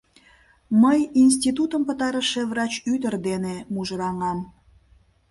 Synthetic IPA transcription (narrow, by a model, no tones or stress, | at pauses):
məjins̬t̪ʲit̪ut̪əmpət̪ɑɾəʃeβrɑt͡ɕyt̪ərd̪enemuʒəɾɑŋɑm